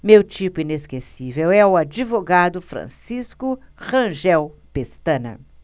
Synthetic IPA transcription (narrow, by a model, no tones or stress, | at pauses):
mewt͡ʃipʊineskesivewɛʊad͡ʒivoɡad̪ʊfɾɐ̰̃siskʊχɐ̃ʒɛwpest̪ɐ̃nɐ̰